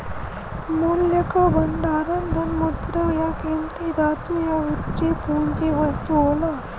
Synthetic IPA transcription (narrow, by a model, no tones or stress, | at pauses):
muljɐkabɐɳɖaːɾɐnd̪ʱɐnmud̪ɾajakemt̪id̪at̪ujaʋit̪ɾepuːɳd͡ʒeʋɐst̪uɦona